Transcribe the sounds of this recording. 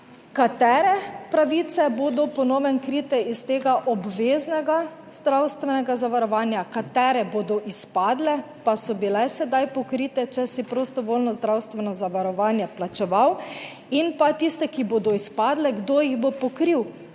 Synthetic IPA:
kat̪ɛːɾɛpɾaʋit̪sɛboːd̪ɔpɔnoːʋɛnkɾiːt̪ɛʔist̪eːɡaʔɔbʋeːznɛɡa | zd̪ɾawst̪ʋɛnɛɡazaʋaɾɔʋaːnjakat̪ɛːɾɛboːd̪ɔʔispaːd̪lɛ | pasɔbilɛsɛd̪ajpɔkɾiːt̪ɛt͡ʃɛsipɾost̪ɔʋolnɔzd̪ɾawst̪ʋɛnɔzaʋaɾɔʋaːnjɛplat͡ʃɛʋaw | inpat̪ist̪ɛkiboːd̪ɔispaːd̪lɛɡd̪ojiɣbopɔkɾiw

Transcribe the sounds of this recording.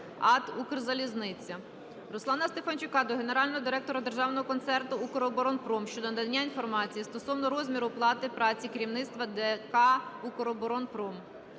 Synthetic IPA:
ɑt̪ukrzɐlʲiznɪt͡sʲːɐ | ɾʊslˠɑnɐst̪e̞fɐnʲt͡ʃʊkɑd̪ɔɦe̞ne̞ɾɑlʲnɔɦɔd̪ɪɾɛk̚t̪ɔɾɐd̪e̞rʒɑwnɔɦɔkɔnt̪sɛrt̪ʊukɔɾɔbɔɾɔnpɾɔmʃt͡ʃɔd̪ɔnɐd̪ɐnʲːainfɔrmɑt͡sʲijist̪ɔsɔwnɔɾɔzʲmʲiɾʊplˠɑt̪ɪpɾɑt͡sʲikɾʲiwnɪt̪st̪ʋɐd̪ekɑukɔɾɔbɔɾɔnpɾɔm

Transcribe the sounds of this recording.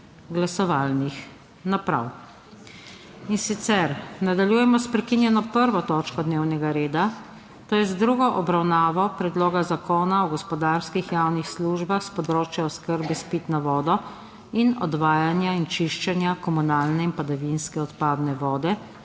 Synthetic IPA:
ɡlasɔʋalnix | napɾa̰w | insit̪sɛɾnad̪aljujɛmɔspɾɛkinjɛnɔpəɾʋɔt̪ɔːt͡ʃkɔd̪neːwnɛɡaɾeːd̪a | t̪oːjɛzd̪ɾuɡɔʔɔbɾawnaːʋɔpɾɛd̪loːɡazakoːnaɔɡɔspɔd̪aɾskixjawnixsluʒbaxspɔd̪ɾoːt͡ʃjaɔskəɾbispit̪naʋɔːd̪ɔ | inɔ̰d̪ʋaːjanjaint͡ʃiʃt͡ʃɛnjakɔmunaːlnɛinpad̪aʋinskɛɔt̪paːd̪nɛʋɔːd̪ɛ

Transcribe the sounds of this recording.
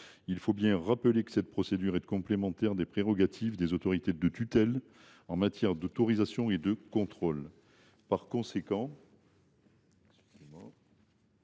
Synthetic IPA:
ilfobjɛ̃ʁapəlekə̥sɛt̪̚pχɔsed̪yʁɛt̪kɔ̃plemɑ̃t̪ɛʁd̪epχeʁɔɡat̪ʰivd̪ezot̪ɔʁit̪ed̪ət̪yt̪ɛl | ɑ̃mat̪jɛʁd̪ot̪ɔʁizasjɔ̃ed̪əkɔ̃t̪χɔl | paʁkɔ̃sekɑ̃ | emɑ̃

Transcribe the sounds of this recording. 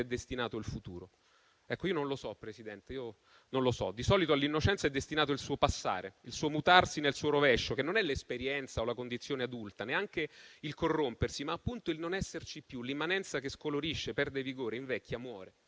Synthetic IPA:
ɛd̪ːest̪inaːt̪oilfut̪ṵːɾo | ɛkːoiːononlosɔpːɾesid̪ɛnt̪eiːo | nonlosɔ̰d̪isɔːlit̪oalːinːot͡ʃɛnt̪saɛd̪ːest̪inaːt̪oilsuːopasːa̰ːɾeilsuːomut̪arsinelsuːoɾovɛʃːok̟enːonɛlespeɾjɛnt̪saolakond̪it̪sːjoːnead̪ult̪aneaŋkeilkorːompersimaːpːunt̪oilnonɛsːert͡ʃipːjulimːanɛnt̪sakeskoloɾiʃːepɛrd̪eviɡoːɾeiɱvɛkʰʲːjamwɔːɾe

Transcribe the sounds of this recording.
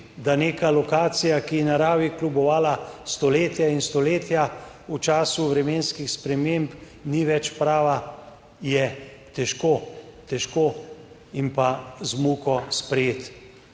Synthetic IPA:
d̪aneːkalɔkaːt̪sijakijɛnaɾaːʋiklubɔʋaːlast̪ɔleːt̪jainst̪ɔleːt̪ja | ut͡ʃaːsuʋɾɛmeːnskixspɾɛmemp | niʋɛt͡ʃpɾaːʋa | jɛt̪ɛʃkoːt̪ɛʃkoː | impazmuːkɔspɾɛjeːt̪

